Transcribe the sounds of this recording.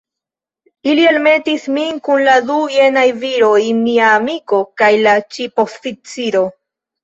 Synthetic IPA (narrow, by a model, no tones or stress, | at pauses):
ilie̞lme̞tisminkunladuje̞najviɾo̞jmiaːmiko̞kajlat͡ʃipo̞fit͡siɾo